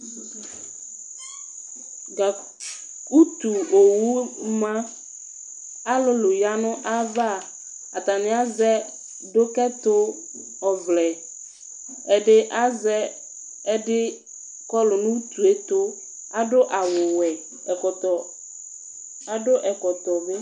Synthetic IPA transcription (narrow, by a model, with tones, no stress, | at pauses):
ɡa˨ | ku˦t̪u˨o˨wu˦mã˦ | a˦lʊ˦lʊ˨ja˦nʊ̃˦ʔa˦va˦˨ | a˨t̪a˨nɪ̃˨˦a˦zɛ˦ | do˦kɛ˦t̪ʊ˦ | ɔ˨vlɛ˨ | ɛ˨ɖɪ˦ʔa˦zɛ˦ | ɛ˦ɖɪ˦ | kɔ˦lʊ˨nũ˦t̪u˨e˦t̪ʊ˦ | a˦dʊ˦ʔa˨wʊ˨wɛ˨ | ɔ˨ɔ˨ | a˨dʊ˦ʔɛ˨kɔ˨t̪ɔ˨be˦